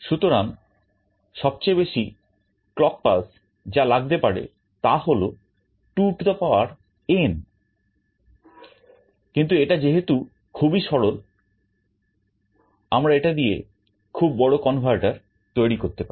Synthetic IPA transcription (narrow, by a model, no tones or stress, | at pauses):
ʃut̪oɾaŋ | ʃɔb̚t͡ɕejbeʃi | klɔk̚pas | d͡ʑalaɡ̚t̪epaɾḛ | t̪aɦolo | ʈuʈd̪apaoaɾ | en | kint̪̬ueʈad͡ʑeɦet̪u | kʰubiʃɔɽol | a̰mɾaeʈad̪iḛ | kʰubːɔɽokɔnbʱaɾʈaɾ | t̪ojɾikoɾt̪epaɾe